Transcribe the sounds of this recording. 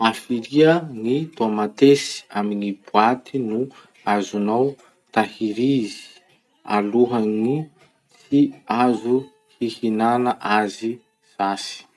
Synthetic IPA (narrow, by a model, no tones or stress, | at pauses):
afiɾiəŋit̪omat̪esi̥aminib̥uat̪ʰinu | azunaw | t̪ahiɾizi̥i̥ | a̰luɦaŋi | t͡siazu | hihinanaʔazi | z̥asi̥